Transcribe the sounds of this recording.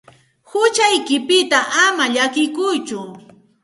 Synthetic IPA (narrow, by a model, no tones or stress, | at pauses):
hʊt͡ʃajkɪpɪt̪aʔamaʎakɪkʊjt͡ʃʊ